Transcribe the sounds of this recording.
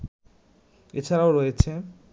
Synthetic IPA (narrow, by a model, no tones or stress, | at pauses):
et͡ɕʰaɾaoɾojet͡ɕʰe